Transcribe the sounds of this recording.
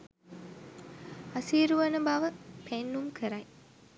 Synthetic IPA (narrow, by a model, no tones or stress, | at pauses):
ɐsiːɾuʋɐnɐbaːʋəpʰenːumkʰəɾɐj